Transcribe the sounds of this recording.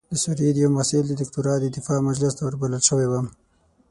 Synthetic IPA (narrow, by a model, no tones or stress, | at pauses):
d̪əsuɾid̪jawmasɪld̪əd̪ɪkt̪uɾɑd̪əd̪ɪfɑmad͡ʒlɪst̪awəɾbaləlʃəwewam